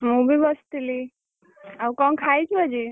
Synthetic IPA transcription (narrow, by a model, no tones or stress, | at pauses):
mũbʱibɔst̪ili | awkɔnkʰajt͡ʃʰuəd͡ʒi